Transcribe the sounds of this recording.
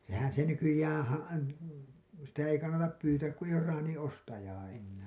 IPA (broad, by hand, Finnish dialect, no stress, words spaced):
sehæn se nykyjæːn̞ hɑ sitæ ei kɑnːɑtɑp pyːtæːk ku eij̆ oːr rɑːnĩː ʔostɑjɑː ʔenːæː